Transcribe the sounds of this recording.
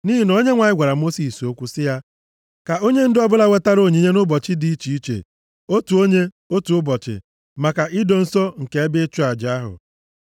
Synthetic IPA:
ni˦ɦi˨no˦ɲe˦ŋʷa˨ɲɪ˦ɡʷa˨ɾa˨mo˦si˨so˦kʷu˦sɪ˦ja˦ | ka˨o˦ɲe˦n̩˦dɪ˦ɔ˦bʊ˦la˦we˦ta˦ɾo˦˨ɲi˨˦ɲe˦nʊ˦bɔ˨t͡ʃɪ˦di˦i˦t͡ʃi˨i˦t͡ʃḛ˨ | o˦tu˨o˦ɲe˦ | o˦tu˨ʊ˦bɔ˨t͡ʃɪ̰˨ | ma˨ka˨ʔɪ˦do˨n̩˦sɔ˦ŋ̩˨ke˨e˦bɪ˦t͡ʃu˦a˨d͡ʒa˦ɦʊ̰˨

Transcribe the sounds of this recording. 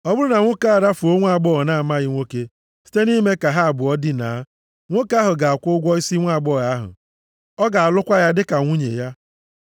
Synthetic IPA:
ɔ˦bʊ˦ɾʊ˦na˨ŋʷo˦ka˦a˨ɾa˦fu˨o˦ŋʷ˦a˦˨ɡ͡bɔ˦˨na˦a˨ma˦ɣɪ˦ŋʷo˦ke˦ | si̥˦te˦ni˦me˦ka˨ɦa˦a˨bʊ˨ɔ˦dɪ˦na̰˨˦ | ŋʷo˦ka˦ɦʊ˨ɡa˨a˨kʷʊ˦ɡʷɔ˦i˦si˦ŋʷa˦˨ɡ͡bɔ˦˨ɣa˦ɦʊ̰˨ | ɔ˦ɡa˨a˨lʊ˦kʷa˦ja˦dɪ˦ka˨ŋʷu˦ɲḛ˨ja˦

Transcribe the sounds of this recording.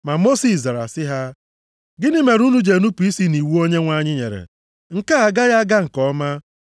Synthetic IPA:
ma˨mo˦si˨sza˨ɾa̰˨sɪ˦ɦa˦ | ɡɪ˦nɪ˦me˨ɾu˦nu˦d͡ʒe˨nu˦pu˨i˦si˦ni˨wu˦o˦ɲe˦ŋʷa˦˨ɲɪ˦ɲḛ˨ɾḛ˨ | ŋ̩˦˨ka˦a˨ɡa˦ɣa˦ɡa˦ŋ̩˨kɔ˦ma˦

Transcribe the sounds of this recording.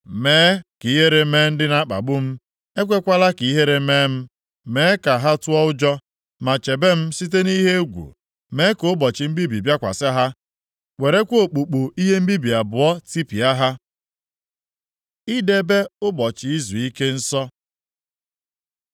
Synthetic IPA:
meː˨˦ki˨i˦ɦe˦ɾe˨me˦n̩˦dɪ˦na˦k͡pa̰˨ɡ͡bʊ˦m̩˦ | e˦kʷe˦kʷa˦la˦ki˨i˦ɦe˦ɾe˨me˦m̩˦ | me˦ka˨ɦa˦tʊ˦ɔ˦ʊ˦d͡ʒɔ˦ | ma˨t͡ʃe˨be˦m̩˦si˦t̬e˦ni˦ɦe˦ɡʷṵ˨ | meː˦ko˨˦bɔ˨t͡ʃɪ˨m̩˦bi˦bi˨bja˦kʷa̰˨sɪ˦a˦ɦa˦ | we˨ɾe˦kʷo˨k͡pu˨k͡pu˨i˦ɦe˦m̩˦bi˦bi˨a˨bʊ˨ɔ˦ti˦pi˨a˦ɦa˦ | i˦de˦be˦ʊ˦bɔ˨t͡ʃɪ˨i˦zu˨i˦ke˦n̩˦sɔ˦

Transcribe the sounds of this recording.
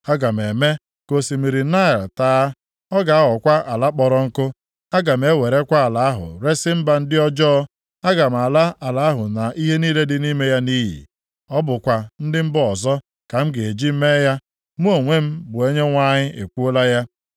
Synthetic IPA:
a˦ɡa˨m̩˨e˨me˦ | ko˨si˨mi˨ɾi˨na˦ɪ˨ltaː˦ | ɔ˦ɡa˨a˦ɔ˨kʷa˦ʔa˨la˦k͡pɔ˨ɾɔ˦˨ŋ̩˦kʊ˦ | a˦ɡa˨m̩˨e˦we˨ɾe˦kʷa˦a˨la˨a˦ɦʊ̰˨ɾe˦sɪ˦m̩˦ba˨n̩˦dɪ˦ɔ˦d͡ʒɔ˦ | a˦ɡa˨m̩˨a˨la˦a˨la˨˦a˦ɦʊ˨na˨ʔi˦ɦe˦niː˦le˦dɪ˦ni˦me˦ja˦niː˦ɦḭ˨ | ɔ˦bʊ˨kʷa˨n̩˦dɪ˦m̩˦bʊ˦ɔ˨zɔ˦ | ka˨m̩˦ɡɪ˨e˨d͡ʒi˦m̩˦me˦ja˦ | mu˦o˨ŋʷe˦m̩˦bʊ˨e˦ɲe˦ŋʷa˦ɲɪ˦e˨kʷu˦o˦la˦ja˦

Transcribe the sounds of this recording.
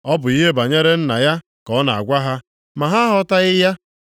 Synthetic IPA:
ɔ˦bʊ˨i˦ɦe˦ba˨ɲe˦ɾe˦n̩˦na˨ja˦ | kɔ˦na˨a̰˨ɡʷa˦ɦa˦ | ma˨ɦa˦ɦɔ˦ta˦ɣɪ˦ja˦

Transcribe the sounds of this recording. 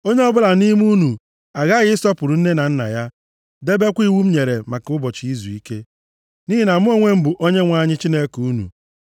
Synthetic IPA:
o˦ɲe˦ɔ˦bʊ˦la˨ni˦m˦u˦nu˨ | a˨ɣa˦ɣɪ˦ɪ˦sɔ˦pʊ˨ɾu˨n̩˦ne˦na˨n̩˦na̰˨ja˦ | de˦be˦kʷi˦wu˦m̩˦ɲe˨ɾe˨ma˨kʊ˦bɔ˨t͡ʃi˨i˦zu˨i˦ke˦ | ni˦ɦi˦na˨mʊ˦o˦ŋʷe˦m̩˦bʊ˨ʔo˦ɲe˦ŋʷa˦ɲɪ˦t͡ʃi˦ne˦ku˨u˦nṵ˨

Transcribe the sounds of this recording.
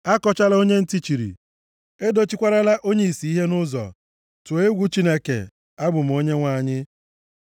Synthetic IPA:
a˦kɔ˦t͡ʃa˦la˦o˦ɲe˦n̩˦ti˦t͡ʃi˨ɾḭ˨ | e˦do˦t͡ʃi˦kʷa˦ɾa˦la˦ʔo˦ɲe˦˨i˨si˨˦i˦ɦe˦nʊ˦zɔ̰˨ | tʊ˨e˦ɡʷu˦t͡ʃi˦ne˦kḛ˨ | a˦ɡ͡bʊ˨m̩˨o˦ɲe˦ŋʷa˦˨ɲɪ˦

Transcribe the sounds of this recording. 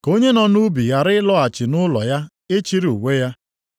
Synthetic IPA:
ko˦ɲe˦nɔ˨nu˦bi˨ɣa˨ɾɪ˦lɔ˦a˨t͡ʃɪ˨nʊ˦lɔ̰˨ja˦ | e˦t͡ʃi˦ɾi˦˨u˨we˦ja˦

